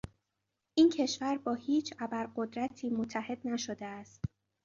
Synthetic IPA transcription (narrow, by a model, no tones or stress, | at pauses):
ʔiːncʰe̞ʃvæɾbɒːhiːt͡ʃʰæbæɾɢo̞d̪ɾæt̪ʰiːmot̪ʰːæhe̞d̪̥næʃo̞d̪eæst̪